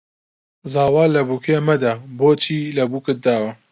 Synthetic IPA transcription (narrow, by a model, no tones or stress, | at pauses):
zaːwaːlːɐbukʰemɐd̪aboːt͡ʃʰiːlɐbukɨt̪̚d̪aːwɐ